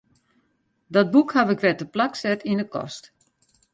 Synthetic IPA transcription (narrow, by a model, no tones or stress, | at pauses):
dɔt̚bukhaʋɪkʋɛtəplaksɛtindəkɔ̰st